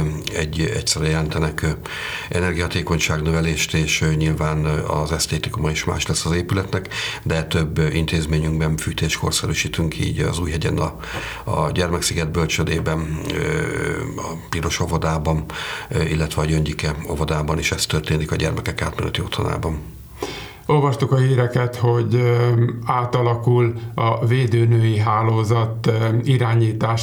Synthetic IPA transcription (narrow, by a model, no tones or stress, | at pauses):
ɛɟːɛ̰ctsɛɾɛjɛlɛnt̪ɛnɛk | ʔɛnɛrɡijhɒt̪eːko̞ɲʃaːɡnøvɛleːʃt̪eːʃɲilvaːnɒ̰zɛst̪eːt̪ikumɒeʃma̰ːʃlɛsːɒzeːpylɛt̪nɛkd̪ɛt̪øbːint̪eːzmeːɲyŋɡbɛɱfyːt̪eːʃkʰo̞̰rsɛɾyːʃiːt̪yŋkʰḭːɟɒ̰zuːjɦɛɟɛnɒ | ɒ̰ɟɛrmɛksiɡɛd̪̚bølt͡ʃød̪eːbɛn | ɒpiɾo̞ʃovod̪aːbɒnilːɛt̪ʋɛɒɟønɟikɛo̰vod̪aːbɒneːʃɛst̪ørt̪eːnikɒɟɛrmɛkɛka̰ːt̪mɛlɛt̪iot̪ʰona̰ːbɒn | o̞lvɒʃt̪ukɒhiːɾɛkɛt̪ho̞ɟ | aːt̪ɒlɒkulɒveːd̪øːnøːjiɦaːloːzɒt̪iɾaːɲiːt̪aːʃ